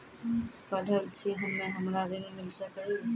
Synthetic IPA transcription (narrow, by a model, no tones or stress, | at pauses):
pəɖʱəlt͡ʃʰiɦəmːẽɦɐmɾaɾɪ̃ŋɡmɪlsəki